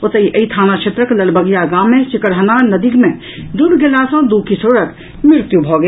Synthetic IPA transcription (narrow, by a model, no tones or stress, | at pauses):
ʊt̪əiʔəit̪ʰaːnaʃʰet̪ɾəklɐlbəɡjaɡaːmːẽt͡ʃɪkəɽɦənanɐd̪ikmẽ | d̪uɽɡelaːsõd̪uːkisoːɽək | mɪɾt̪jubʱoːɡ